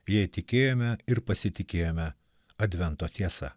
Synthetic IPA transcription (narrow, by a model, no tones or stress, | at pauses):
jɛɪt̪ʲɪkʲeːjoːmʲɛɪɾpɐsʲɪt̪ʲɪkʲeːjoːmʲɛ | ɐd̪ʲʋʲɛnt̪oːt̪ʲiɛsɐ̰